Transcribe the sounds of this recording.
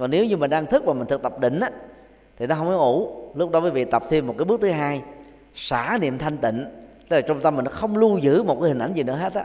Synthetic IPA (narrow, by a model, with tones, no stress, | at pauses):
vaː˨˩ne˨˦wɲɨ˧mï˨˩n̟ɗaː˧ŋt̪ʰɨ˦˥k̚vaː˨˩mï˨˩ŋt̪ʰɨ˨˩k̚t̪ə˨˩p̚ɗḭ̈˧˨ŋ̟ʔaː˨˦ | t̪ʰi˨˩nɔ˨˦ɦə˧wkɔ˨˦ʔu˧˩˦lʊ˦˥k͡p̚ɗɔ˨˦vəː˨˦jvḭ˧˨t̪ə˨˩p̚t̪ʰi˧əmːo˨˩t̚kaː˨˦ɓɨ˦˥k̚t̪ʰɨ˨˦ɦaː˧j | saː˧˩˦nḭ˧˨əmt̪ʰa˧jŋ̟t̪ḭ˧˨ŋ̟t̪e˦˥laː˨˩t͡ɕɔ˧wŋ͡mt̪ə˧mːi̟˨˩nɔ˨˦xə˧wŋ͡mlu˧zɨ̰˧˥mo˨˩t̚kaː˨˦hi˨˩ŋ̟ʔa˧˩jŋzi˨˩nɨ̰˧˥ə˦ɦe˦˥t̚a˧